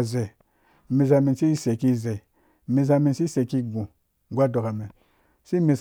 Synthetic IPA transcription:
ze˨ | mi˨z̬a˧mi˨nsi˦se˨ki˦˨ze˨ | mi˨z̬a˧mi˨nsi˦se˨ki˦ɡũ˨ | ɡʷa˦do˨ka˨me˨ | si˦mi˨s

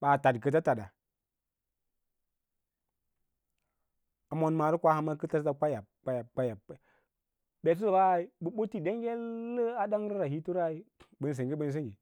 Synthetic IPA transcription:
ɓa˨ta˨dkə˨ta˦ta˨da˨ | a˨mo˦nma˨ɾi˦kʷa˦ha˨ma˦kə˦ta˦sa˦ka˦ja˨k͡pa˦ja˨k͡pa˦ja˨ | be˨s̬i˦lə˨ba˦˨i˦bu˦ɓo˦ti˦de˦ŋɡe˦lːə˦a˦da˦ŋ˦ɾi˦ɾa˨hi˦tu˦ɾa˦i˦bə˦ns̬ə˨ŋɡi˦bə˦n˦s̬e˦ŋɡi˨

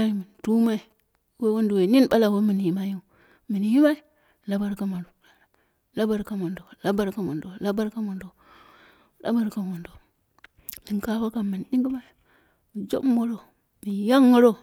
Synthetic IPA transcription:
ji˨mi˨n˨tu˦ma˦i˨ | we˦wo˦ndu˨we˨ni˦nɓa˦la˨we˦mi˨n˨ji˨ma˦ji˦˨ | mi˨n˨ji˦ma˦i˨˦ | la˦ba˦ɾka˦mo˨ | la˦ba˦ɾka˦mo˨ndo˨la˦ba˦ɾka˦mo˨ndo˨la˦ba˦ɾka˦mo˨ndo˨ | la̰˦ba˦ɾka˨wo˨ndo˨ | ni˨ŋka˦wa˦ka˨mi˨nɗi˦ŋɡi˦ma˦i˨ | mi˨d͡ʒo̰˦mːo˦ɾo˦ | mi˨ja˦ŋːə˦ɾo˦

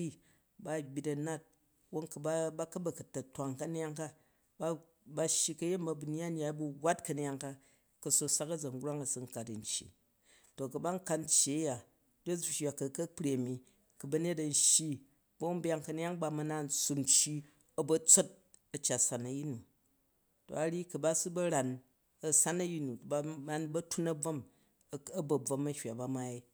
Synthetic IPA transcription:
i˦ | ba˦˨bʲi˨tɐ˨na˦t̚ | wo˦nkɐ˨bba˦kɐ˦bɐ˨kɐ˨tɐ˨tʷa˨ŋkɐ˦n˦ja˦ŋka˦ | ba˦ | ba˦ʃːji˧kɐ˦je˦bɐ˨bu˨n˦a˦n˦a˨˦bu˦ɡʷa˦tkɐ˨n˦ja˧ŋka˦ | kɐ˨so˧sa˦kɐ˦d͡zɐ˨ŋ˦ɡɾa˦ŋɐ˨su˦ŋ̩˦ka˨tɐ˨n̩˨t͡ʃjḭ˨ | to˨kɐ˨ba˦ŋ̩˦ka˧tn˦t͡ʃːi˨ɐ˦ja˨ | do˦˨ʃʲa˨kɐ˨kɐ˦k͡pɾʲe˨ɐ˨mi˨ | kɐ˨bɐ˦ne˦tɐ˨n̩˦ʃji˦ | bɐ˦m̩˦bja˦˧ŋkɐ˨n˦a˦ŋba˨mɐ˦na˦n̩˨su˨m̩t͡ʃːi˦ | ɐ˦bɐ˦t͡so˦t̚ | ɐ˨t͡ʃa˨tsa˨nɐ˨ji˦nu˨ | to̰˨a˨ɾi˦kɐ˨ba˦sɨ˦bɐ˦ɾa˨n | ɐ˨sa˦nɐ˦ji˦nu˨ba˦ba˦nbɐ˦tu˦nɐ˦b͡vɐ˦m | ɐ˦bɐ˨b͡vɐ˨mɐ˦hʲwa˨ba˦ma˦i˦

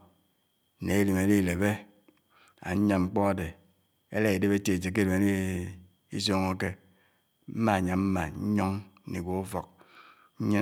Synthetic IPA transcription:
ne˨e˦li˨me˨di˦˨le˨be˦ | a̰˨ɲ̩˦ɲa˨ŋ͡m̩˦k͡pɔ˦a˨de˨ | ḛ˦le˦i˨de˦be˦te˨t͡ʃe˨k̬e˦de˨me˨˦ni˦ | i˦s̬o˦ŋo˦ke˦ | m̩˦ma˨ɲa˨m̩˦ma˨ɲ̩˦ɲɔ˦ŋ˦ni˨ɡʷo˨u˦fo˨k̚ | ɲ̩˦ɲi˦

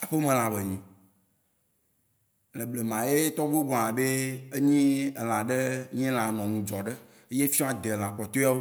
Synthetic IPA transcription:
a˨ɸe˦mẽ˨l̃ã˨be˨ɲĩ˨ | le˨ble˨mã˨je˦t̪ɔ˦ɡ͡bo˦ɡ͡bɔ̃˨ã˨be˦e˦ɲĩ˦e˨l̃ã˨ɖe˦ɲĩ˦l̃ã˨nɔ̃˨ŋũ˨d͡ʒɔ˨ɖe˦ | e˦je˦fi˦ɔ̃˦a˨d̪e˨l̃ã˨k͡pɔ˨t̪o˦a˦wo˦

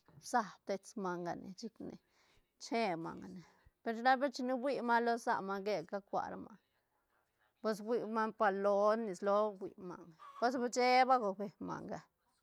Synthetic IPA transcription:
sa˧t̪e˧t͡sma˨˧ŋɡa̰˨nḛ˨t͡ʃi˦knḛ˨ | t͡ʃe˦ma̰˨ŋɡa˨ne˨ | pe˧ɾt͡ʃna˦be˦t͡ʃi˧ni˦bʷi˦ma˦lo˦sa̰˧ma˧ŋɡe˦ka˦kʷa̰˨ɾama˧ | pe˦s̬ɡʷi˧ma˦npa˧lo˦ni˨slo˧ɡḭ˨ma̰˨ŋɡa˨po˦sba˦t͡ʃe˦ba˦ɡo˨be˨ma̰˨ŋɡa˨

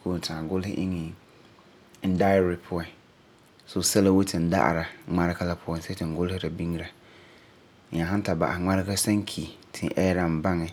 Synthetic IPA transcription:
kʰo˦˨tʰãː˨ɡʊ˦lhɪ̰˦ʔi˦nĩ˨˦ | n̩˦da˦˨ɾɪ˨pʰʊ˦ɔ˨ | so˨sɛ˦la˦wo˦tʰɪ̃˨n̩˦da̰˦ʔa̰˨ɾa˨˦ŋ͡mã˦ɾɪ˦kʰa˦la˦pʰʊ˦ɔ̃˦˨nsɛ˦tʰɪ̃˨ŋ̩˨ɡʊ˦lhɪ˦ɾa˨bĩ˦ŋ˦ɾa˨ | ã˨ɦã˦n˦tʰa˨ba̰˨a̰˨ŋ͡mã˦ɾɪ˦ka˦sã˦ŋ˦kʰi˨tʰɪ̰̃˨ʔɛ˦ɾã˨m̩˨bã˦ŋɪ̃˨

